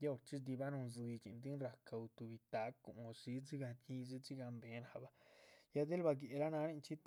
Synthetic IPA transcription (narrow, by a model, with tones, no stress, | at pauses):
ja˦o˧ɾt͡ʃi˦sd̪i˧ba˦nu˧nzi˧t͡ʃḭ˨nd̪i˦nɾa˧ka˧u˧t̪u˨bi˧t̪a˨˦kṵ˨o˨si˧˦d͡zi˦ɡa˧t͡ʃi˧zi˦t͡si˦ɡa˧mbe˨ɾa˨ba˧ja˦d̪e˦lba˧ɡe˨ɾa˦na˧ɾe˦nt͡ʃi˦t̪